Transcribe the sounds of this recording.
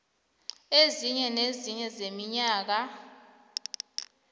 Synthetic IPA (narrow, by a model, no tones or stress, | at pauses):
eziɲɛneziɲɛzemiɲaːk̬a